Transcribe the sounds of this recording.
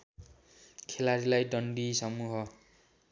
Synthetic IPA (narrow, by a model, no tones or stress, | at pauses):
kʰelaɾilajɖʌɳɖisʌmuɦʌ